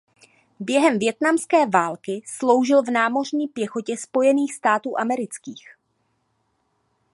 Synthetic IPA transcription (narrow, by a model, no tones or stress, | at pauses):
bjɛɦɛmvjɛt̪namskɛːvaːlkɪslo̞wʒɪlvnaːmo̞rɲiːpjɛxo̞cɛspo̞jɛniːxst̪aːt̪uːʔamɛɾɪt͡skiːx